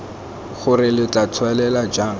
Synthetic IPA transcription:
χʊrɪlɪt͡ɬʼat͡sʰwalɛlad͡ʒaːŋ

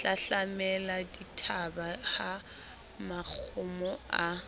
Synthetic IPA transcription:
ɬaɬamɛladitʰabaha | mak͡xʰʊmɔa

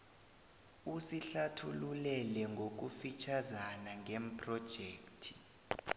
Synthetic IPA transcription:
usiɬatʰululɛlɛŋɡʱok̬ufit͡ʃʰazanaŋɡʱem̩pʰʼrɔd̥ʒ̥ʱeːktʰi̥

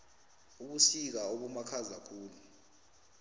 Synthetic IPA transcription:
uɓusik̬aoɓumakʰazakʰuːlu

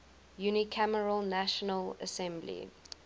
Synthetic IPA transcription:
junikʰaməɹəlnæʃənələ̰sɛ̃mblḭ

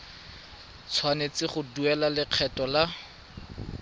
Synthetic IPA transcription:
t͡sʰwanet͡sɪχʊduɛlalɪq͡χʰɛtɔla

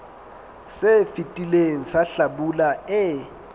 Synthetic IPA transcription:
sefitʼileŋisaɬaɓulaɛ

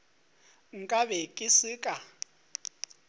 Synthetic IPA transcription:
ŋ̩kʼaβɛkʼɪsɪkʼa

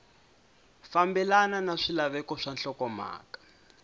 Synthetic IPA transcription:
fambɛlananaʂilaβɛkɔʂanɬɔkɔma̰ːkḁ

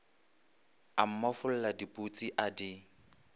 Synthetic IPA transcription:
am̩mɔfʊl̩ladipʼut͡sʼiʔadi

